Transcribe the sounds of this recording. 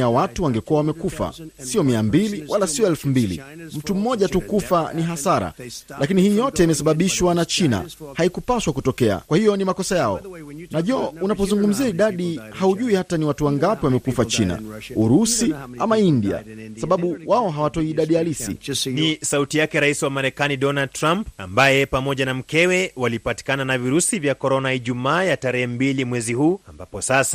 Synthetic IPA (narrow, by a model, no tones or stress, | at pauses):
awatuwaŋɡɛkuawamɛkufa̰siɔmiambiliwʔalasiɔɛlfumbilḭm̩tum̩mɔʄatukufaniɦasaɾa̰lʔakinihiːjɔtɛimɛsaɓaɓiʃwanat͡ʃina̰haikupaʃwakutɔkɛa̰kwahijɔnimakɔsajaɔ̰naʄɔunapɔzuŋɡum̩ziaiɗaɗihauʄuihataniwatuwaŋɡapiwamɛkufat͡ʃina̰uɾusiamaindia̰saɓaɓuwaɔɦawatɔiːɗaɗijalisḭnisautijakɛɾaisiwamaɾɛkaniɗɔnad̚tɾampambajɛpamɔʄanam̩kɛwɛwalipati̥kananaviɾusivjakɔɾɔnaiʄumaːjataɾɛhɛmbilimwɛzihuːambapɔsasa